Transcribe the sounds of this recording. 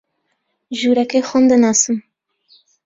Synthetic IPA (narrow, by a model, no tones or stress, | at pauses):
ʒuːɾɛkexʊmd̪ɨnɑːsɨm